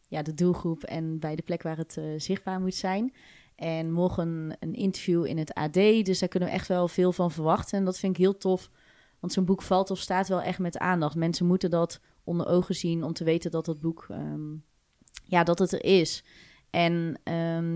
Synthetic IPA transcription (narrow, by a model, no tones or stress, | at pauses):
jadədulˠχrupɛ̰nbɛjdəplɛkʋaːɹɦətzɪχd̚baːɹmutsɛjn | ʔɛnmɔχənənɪ̰ntəɹvjuɪ̰nəta̰ːdejdøsdaːɹkɵnəʋə̰ʔɛ̰xtʋɛlˠvɪːlˠvɑnvərɹʋɑχtənndɔtfɪnɪkɦɪːlˠtʰɔf | ʋɑntsoːnbukfɑlˠtɔfstaːtʋɛlˠʔɛχtmɛta̰ːndɑχtmɛnsəmutəndɔt | ʔɔndərʔowχəzinɔmtəʋejtəndɔtdɑd̚buk | jadɔtətə̰rʔɪs | ʔɛnʔə